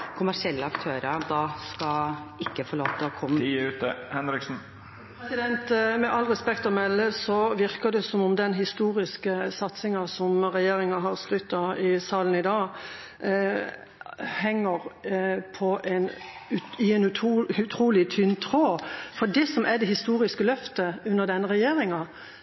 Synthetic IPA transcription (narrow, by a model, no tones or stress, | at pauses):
kʰʊmæʂɪɛlːəɑkt̪ʰøːɾəɾd̪ɑːskɑɪkːəfɔɭoːt̪ʰɔkʰɔmːəʉːt̪əhɛnɾɪksn̩ | pɛsɪd̪ɛnt̪mɛʔɑlːʁɛspɛkt̪ɔmɛlːəsɔʋɪɾkəd̪ɛsɔmʊmd̪ɛnɦɪst̪uːɾɪskəsɑt̪sɪŋɑsɔmɾɛjeːɾɪŋɑɦɑɾskɾʏt̪ːɑɪsɑːlənɪd̪ɑː | hɛŋːəɾpʰɔʔɛnʉɪɛnʉt̪ʰːʉt̪ʰɾuːlɪt̪ʰʏnːt̪ʰɾoːfɔɖɛsɔmʔɛd̪ɛhɪst̪uːɾɪskəlœft̪əʉnːəɾd̪ɛnːəɾɛjeːɾɪŋɑ